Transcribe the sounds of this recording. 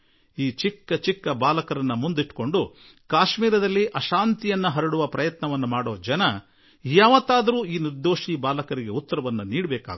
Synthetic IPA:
iːt͡ʃikːɐt͡ʃikːɐbaːlɐkɐɾɐnːɐmund̪iʈːko̞ɳɖu | kaːʃmiːɾɐd̪ɐlːiʔɐʃaːnt̪ijɐnːuɦɐɾɐɽuʋɐpɾɐjɐt̪nɐʋɐnːɐmaːɽoːd͡ʒɐnɐ | jaːʋɐt̪ːaːd̪ɐɾuːiːniɾd̪oːʃiːbaːlɐkɐɾiɡe̞ut̪ːɐɾɐʋɐnːɐniːɽbɛːka̰ːɡ

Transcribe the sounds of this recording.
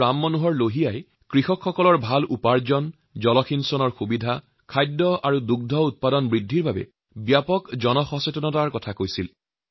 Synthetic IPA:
amːɔnuɦɔɹloɦijaj | kɹixɔkxɔkɔlɔɹbʱalʔupaɹzɔn | zɔlɔxinsɔnɔɹxubidʱa | kʰajdːɔʔaɹuduɡ̚dʱɔut̚padɔnbɹidʱːiɹbabɛ̰ | bjapɔkzɔnɔxɔsɔtɔnɔtaɹkɔtʰakojsil

